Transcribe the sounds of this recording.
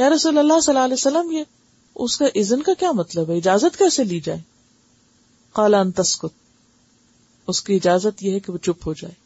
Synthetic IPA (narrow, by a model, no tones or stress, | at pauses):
jaːɾɐsuːlɐlːasɐlːaːleːsɐlːəmje | ʊskaʔɪznkakjaːmɐt̪ləbɦɛɪd͡ʒaːzət̪kɛːseliːd͡ʒaːeː | qaːlaɐ̃nt̪ɐskʊt̪̚ | ʊskiɪd͡ʒaːzət̪jeɦɛkeʋot͡ʃʊpɦod͡ʒa̰ːeː